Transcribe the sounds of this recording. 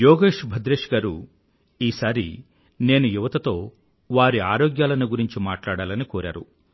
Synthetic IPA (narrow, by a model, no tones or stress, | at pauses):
jɔːɡeːʂbʱɐd̪ɾeːʂɡaːɾu | iːsaːɾḭ | ne̞ːnujuʋɐt̪ɐt̪o̞ː | ʋaːɾiaːɾoːɡjaːlɐnuɡuɾiɲt͡ʃimaːʈlaːɽaːlɐnikɔːɾa̰ːɾu